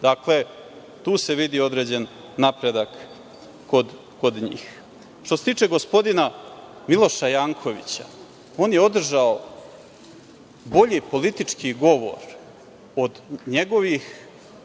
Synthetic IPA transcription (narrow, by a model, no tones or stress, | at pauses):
d̪akle̞ | t̪uːse̞ʋid̪io̞d̪ɾe̞ːd͡ʑe̞nː | apɾe̞d̪akː | od̪ | kod̪ɲḭːx | t̪oset̪iːt͡ʂeɡo̞spo̞d̪inamilˠo̞ʃajaːŋkʰo̞ʋḭt͡ɕa̰ | o̞ːnjeo̞d̪r̩ʒao | bo̞ʎipo̞lit̪it͡ʂkiɡo̞ʋo̞̰ɾ | o̞d̪ɲe̞ɡo̞ʋix